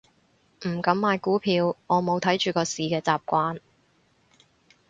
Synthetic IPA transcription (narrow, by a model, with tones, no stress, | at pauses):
m̩˨˩kɐ˨˧˥mːaː˧jkuː˨˥pʰiː˧wŋɔː˨˧mo˨˧wt̪ʰɐ˨˥jt͡ʃyː˨˩kɔː˧siː˨kɛː˧t͡saː˨p̚kʷaː˧n